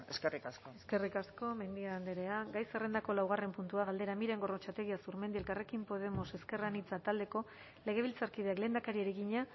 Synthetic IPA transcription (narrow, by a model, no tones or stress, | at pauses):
eskerikaskoeske̞rikasko̞me̞nd̪iand̪eɾe̞aɡajsere̞nd̪ako̞lawɣ̞are̞mpunt̪uaɣald̪e̞ɾamiɾe̞ŋɡo̞rot͡ʃat̪e̞ɣ̞iasuɾme̞nd̪ie̞lkare̞kimpo̞ð̞e̞mo̞se̞ske̞ranit͡sat̪ald̪e̞ko̞ | le̞ɣ̞e̞β̞ilt͡saɾkið̞e̞akle̞ːnd̪akaɾieɾiɣiɲa